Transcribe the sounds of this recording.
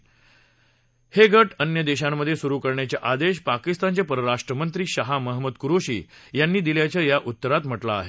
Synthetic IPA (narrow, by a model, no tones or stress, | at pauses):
heɡʱəʈənjəd̪eɕamːəd̪ʱːjesuɾuːkəɾɳjat͡ɕjaʔad̪eɕ̬pakist̪ant͡ɕepəɾəɾaʂʈɾəmənt̪ɾiːɕaɦaməɦməd̪kuɾoɕḭːjanːiːd̪iljat͡ɕjajaʔut̪ːəɾat̪m̤əʈla̰ːɦe